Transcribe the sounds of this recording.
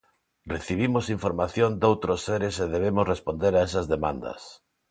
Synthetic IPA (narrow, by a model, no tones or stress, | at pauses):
reθiβ̞imosiɱfoɾmaθjond̪owt̪ɾosːeɾeseðeβ̞emosrespond̪eɾaesɐzðemã̰nd̪ɐ̰s